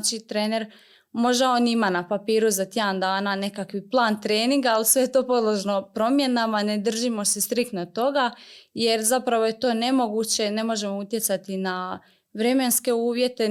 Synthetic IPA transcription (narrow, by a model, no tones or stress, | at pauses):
t͡ʃit̪ɾeːne̞ɾ | mo̞ʒd̪ao̞nimanapapiːɾuzat̪jeand̪aːnane̞kakʋiplˠaːnt̪ɾe̞ːniŋɡaːlisʋe̞jet̪o̞ːpo̞d̪lˠoʒno̞pɾo̞mje̞namane̞d̪r̩ʒimo̞se̞st̪ɾikt̪not̪o̞ɡaje̞ɾzapɾaʋo̞je̞t̪o̞ːne̞mo̞ɡut͡ɕe̞ne̞mo̞ʒe̞mout̪je̞t̪sat̪ina | ʋɾe̞me̞nske̞uːʋje̞t̪e